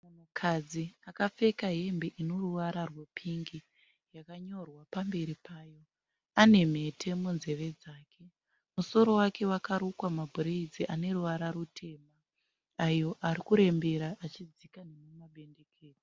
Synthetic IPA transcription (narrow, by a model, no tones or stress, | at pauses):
mukʰad͡ziakap͡fe̞kaɦe̞mbe̞ʔino̞ruʋaɾarwe̞pʰiŋɡi | jakaɲo̞rwapambe̞ɾipaːjo̞ | ane̞m̤e̞tʰe̞munze̞ʋe̞d͡zaːkʰe̞ | muso̞ɾo̞wake̞wakaɾukwamabʱuɾeid͡ziʔane̞ruʋaɾaɾutʰe̞ːma | ajo̞ʔaɾikuɾe̞mbe̞ɾaʔat͡ʃid͡zikanemumaɓe̞nde̞kʰeːd͡zi